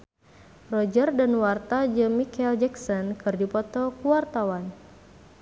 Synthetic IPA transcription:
rɔd͡ʒərdanwart̪ad͡ʒəmikɛld͡ʒɛksɔnkɨrdipɔt̪ɔkuwart̪awan

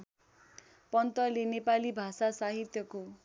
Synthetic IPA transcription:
pʌnt̪ʌlenepalibʱasasaɦit̪jʌko

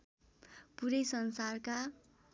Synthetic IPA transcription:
puɾʌjsʌnsarka

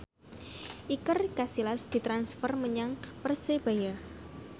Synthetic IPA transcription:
ʔikərkasilasd̪̥i̤t̪ɾansfərməɲaŋpərseb̥aja

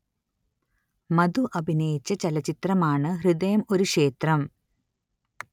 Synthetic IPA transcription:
mɐd̪uʔɐbʱinɐjit͡ɕːɐt͡ɕɐlɐt͡ɕit̪rɐmaːɳɨɦrɨd̪ejɐmo̞ɾuʂe̞ːt̪rɐm

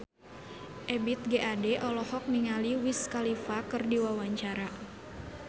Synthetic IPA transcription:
ʔɛbit̪̚ɡeʔadɛʔɔlɔhɔk̚niŋaliwiskalifakɨrdiwawaɲt͡ʃaɾa

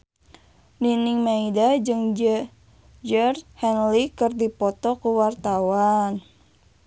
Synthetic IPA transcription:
niniŋmaidad͡ʒɨŋd͡ʒ | d͡ʒərhɛnlikɨrdipɔt̪ɔkuwart̪awan

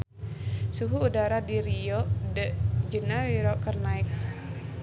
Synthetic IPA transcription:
suɦuːdaɾadiɾiɔdəʔd͡ʒənawiɾɔkərnaɪk̚

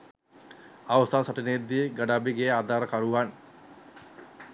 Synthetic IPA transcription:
aʋəsaːsaʈined̪ːiɡaɖaːbiɡejad̪aːɾəkaɾuʋan

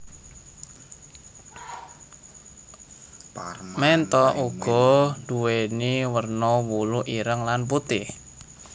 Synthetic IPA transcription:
mɛnt̪ɔʔuɡ̥ɔ̤duweniwərnowuluʔiɾəŋlanp̬ut̪ɪh

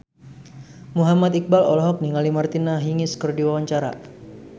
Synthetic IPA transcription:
muɦamat̪ik̚balɔ̰lɔɦɔk̚niŋalimart̪inaɦiŋɪskərdiwawaɲt͡ʃaɾa̰

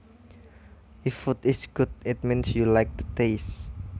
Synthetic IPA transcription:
ifut̪ɪsɡ̥ʊd̪̚ɪt̪̚mĩnsjulajk̚t̪u̥t̪es

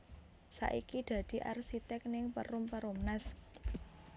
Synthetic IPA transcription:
sa̰ʔikid̪̥ä̤d̪̥i̤ʔarsit̪ɛk̚nɪŋpə̰ɾʊmpəɾomnas

